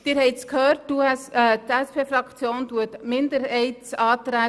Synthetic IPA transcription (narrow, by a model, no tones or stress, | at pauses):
d̥ɪːɾɦɛɪtskʰhøːɾt̚tuɛstɛspʰeːfɾɑkt͡sjoːntuətmɪnd̪əɾɦɛɪtsɑːt̪ɾæː